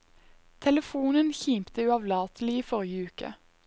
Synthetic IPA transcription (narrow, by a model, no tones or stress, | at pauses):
t̪ʰɛləfuːnənçiːmpt̪əʉːɑʋlɑːt̪l̩ɪiːfɔʁjəʉːkə̰